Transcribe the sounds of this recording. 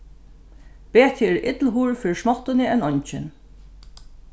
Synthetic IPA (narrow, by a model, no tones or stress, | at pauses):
peːt̪ʰɪɛɹɪ̰t̪lɦuːɹfɪːɾɪsmɔt̪ɪnɪɛnɔɲt͡ʃɪn